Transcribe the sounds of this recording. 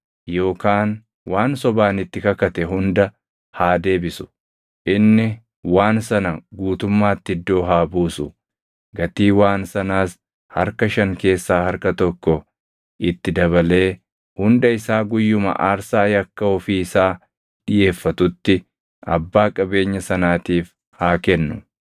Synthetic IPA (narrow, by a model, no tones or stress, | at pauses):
jo̞ːkaːn | waːnsɔbaːnɪt̪ːɪkɐkɐt̪ɛɦʊnd̪ɐ | haːd̪e̞ːbɪsʊ̥ | ʔɪnːɪ | waːnsɐnɐɡuːt̪ʊmːaːt̪ːɪd̪ːo̞ːɦaːbuːsʊ | ɡɐt̪iːwaːnsɐnaːs | hɐ̰ɾkɐʃɐŋke̞ːsːaːhɐɾkɐt̪ɔkːɔ | ʔɪt̪ːɪd̪ɐβɐle̞ː | hʊnd̪ɐɪsaːɡʊjːʊmɐ̰ʔaːɾsaːjɐkːɐɔfiːɪsaː | ᶑɪje̞ːfːɐt̪ʊt̪ːɪ | ʔɐ̰bːaːkʼɐbe̞ːɲːɐsɐnaːt̪iːf | haːkɛnːʊ